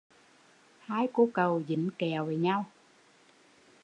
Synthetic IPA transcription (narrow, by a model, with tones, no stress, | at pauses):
haː˧˦jko˨˧˦kə˨˩wzi˨˩˦ŋ̟kɛ˨˩wve˨˩ɲa˧w